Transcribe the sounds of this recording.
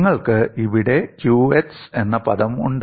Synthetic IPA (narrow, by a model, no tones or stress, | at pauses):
ŋːɐɭkɨiʋiɽe̞kjuːese̞nːɐpɐðɐmṵɳɖ